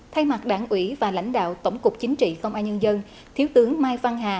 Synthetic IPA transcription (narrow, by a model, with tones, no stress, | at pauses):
t̪ʰa˧jma˨˩t̚ɗaː˧˩nʔwi˧˩vaː˨˩la̰˧˥jŋ̟ɗa̰ː˧˨wt̪ə˧˩wŋ͡mkʊ˨˩k͡p̚t͡ɕï˨˦ŋ̟t͡ɕḭ˧˨kə˧wŋ͡mʔaː˧nɲə˧nzə˧n | t̪ʰi˨˦wt̪ɨ˨˦əŋmaː˧jva˧ŋɦaː˨˩